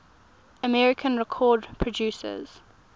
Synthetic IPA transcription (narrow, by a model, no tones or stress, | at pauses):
əmɛɹɪkʰə̃nɹɛkʰɔːdpʰɹɔd͡ʒjʉːˑsə̰z̥